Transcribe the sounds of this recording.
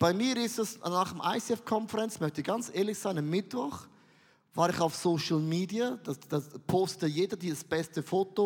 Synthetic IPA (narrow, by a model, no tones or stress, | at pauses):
b̥aɪmiːɾɪstɛsnaːχəmʔa̰ɪsɛfkʰɔnfɛʁɛnt͡smœçtɪçɡ̥ant͡sʔeːɐlɪçz̥aɪnamːɪtv̥ɔχ | vaːɾɪçaʊfsoːʃl̩miːdiad̥ad̥apʰoːstətəjeːdɐdiːzəsb̥ɛstəfoːto